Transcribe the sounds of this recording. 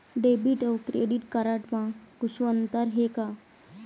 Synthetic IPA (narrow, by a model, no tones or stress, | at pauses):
ɖebiʈowkɾeɖiʈkaɾəʈmãkut͡ʃʰuənt̪əɾɦeka